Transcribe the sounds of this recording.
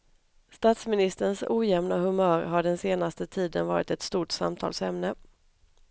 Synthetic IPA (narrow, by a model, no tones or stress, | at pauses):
st̪ɑːt̪smɪnɪst̪əɳsuːjɛmnaɦɵmœːɾɦaɖɛnseːnast̪ət̪ʰiːd̪ənvɑːɾɪ̰t̪ɛt̪st̪uːʈsa̰mt̪ʰɑ̰ːlsɛmnə